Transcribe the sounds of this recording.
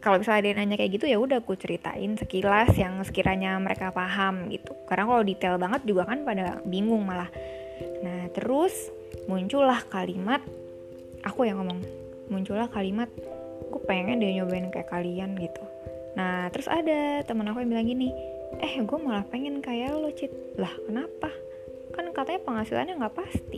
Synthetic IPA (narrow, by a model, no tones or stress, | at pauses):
kalaobisadanaɲakajaʔɡit̪ujaudahkut͡ʃəɾit̪a̰ʔɪ̰nsəkilasjaŋsə̥kiɾʔaɲaməɾekafaɦamɡḭt̪u̥kaɾədaŋkaladit̪ɛlbaŋət̪̚d͡ʒuɡakanpadabiŋʊŋmalah | naht̪əɾʊs | muɲt͡ʃulahkalimat̪̚ | ʔakujaŋomaŋ | muɲt͡ʃulahkalimat̪̚ | ɡuapeŋɛŋɛndiɲobaɪnka̰jakalianɡit̪u̥ | naht̪əɾʊsa̰dat̪əmənakuabilaŋɡini | ʔɛhɡuamalahpeŋɛnkajalot͡ʃɪt̪̚ | lahkənapa | kankat̪aɲapəŋasila̰nɲaŋɡapast̪ḭ